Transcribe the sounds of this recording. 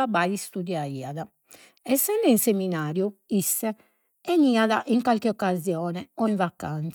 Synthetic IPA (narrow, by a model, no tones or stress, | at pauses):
abaist̪ud̪jaiːaða | ɛsːɛnd̪ɛinseminaːɾjuisːɛ | ɛniːaðaʔiŋkalkɛɔkːazjɔːnɛɔiɱvakant̪s